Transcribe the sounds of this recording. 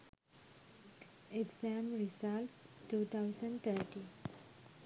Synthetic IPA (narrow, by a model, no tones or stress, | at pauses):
eɡsãmɾisalʈːuːt̪ʰaʊsə̃ɳɖt̪ʰəʈĩ